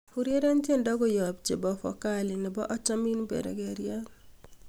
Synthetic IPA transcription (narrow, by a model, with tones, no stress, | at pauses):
hu˨ɾje˦ɾa˦ntje˦˨ndɔ˦ɡɔ˦jɔ˨b̚t͡ʃe˨bɔ˨fɔ̰˨ka˦lɪ˨nɪ˨bɔ˦ʔɔ˦t͡ʃa˦mi˦nbḛ˨ɾḛ˨ɡɛ˨ɾja˦n